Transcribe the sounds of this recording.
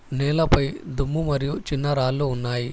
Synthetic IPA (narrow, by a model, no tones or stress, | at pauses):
nɛːlɐpɐjd̪umːumɐɾijut͡ʃinːɐɾaːlːuːnːaːji